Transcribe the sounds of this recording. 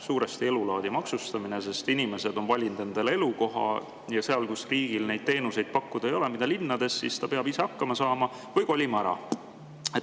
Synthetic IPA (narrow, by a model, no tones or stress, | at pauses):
suːɾe̞st̪ie̞lulɑːd̪̥imɑksust̪ɑmine̞se̞st̪inime̞se̞d̪o̞nvɑlʲint̪e̞nd̪̥e̞le̞luko̞ɦɑ̰ | jɑseɑlkusriːɡ̥ilne̞jd̪̥̚t̪e̞ːnuse̞jd̪̥̚pɑkːud̪̥ɑejo̞le̞mid̪ɑlinːɑd̪e̞sːḭst̪ɑpeɑbiseɑkːɑmɑsɑːmɑ | vɯjko̞lʲimɑæɾɑ̰ | e